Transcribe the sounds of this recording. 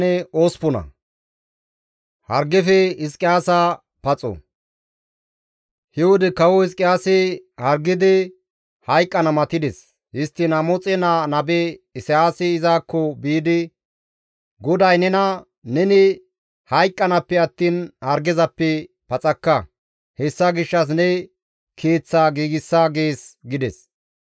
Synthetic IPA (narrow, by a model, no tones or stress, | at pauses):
nɛoːspɔnɐ̰ | hɐɾɡɛfɛɪskʼɪjaːsaː | pɐt͡sʼɔ̰ | hɛwʊd̪ɛkɐwɔɪs̬kʼɪjaːsɪhɐɾɡɪd̪ɪ | hɐjkʼːɐnɐmɐt̪ɪd̪ɛs | hɪst̪ːɪnɐmɔt͡sʼɛnanɐbɛɪsɛaːsɛːzaːkːɔbiːd̪ɪ | ɡɔd̪ɐjnɛnɐ | nɛnɪ | hɐjkʼːɐnɐpːɛɐt̪ːiːnhɐɾɡɛzɐpːɛ | pɐt͡sʼɐkːɐ | hɛsːɐɡɪʃːɐs̬nɛ | kʰeːt͡sːaːɡiːɡɪsːaːɡe̞ːsɡɪd̪ɛs